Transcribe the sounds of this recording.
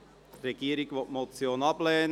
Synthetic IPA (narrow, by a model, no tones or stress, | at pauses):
treɡ̥iːəɾɪɡʋɔtmot͡sjoːnɑblɛːn